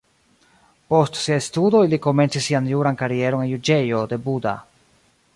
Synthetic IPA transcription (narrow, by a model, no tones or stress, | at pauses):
po̞stsiaestudo̞iliko̞me̞nt͡sisːianjuɾankaɾie̞ɾo̞ne̞njud͡ʒe̞jo̞de̞buda̰